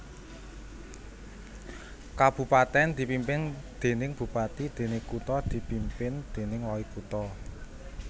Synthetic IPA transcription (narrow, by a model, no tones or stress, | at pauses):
kab̥ṳpat̪ɛnd̪̥i̤pimpɪnd̪̥e̤nɪŋb̥ṳpat̪id̪̥e̤nɪŋkut̪ɔd̪̥i̤pimpɪnd̪̥e̤nɪŋwɔikut̪ɔ